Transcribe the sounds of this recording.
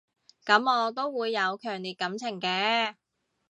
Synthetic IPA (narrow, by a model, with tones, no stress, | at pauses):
kɐ˨˥mɔː˨˧t̪̬o˥wːuː˨˧jːɐ˨˧wkʰœː˨˩ŋliː˨˩t̚kɐ˨˧˥mt͡sʰɪ˨˩ŋkɛː˧